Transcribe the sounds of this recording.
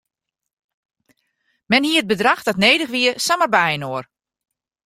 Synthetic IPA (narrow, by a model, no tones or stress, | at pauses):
mɛnhiːəət̚bədraxdɔtneːdəxʋiəsamərbɛjənoər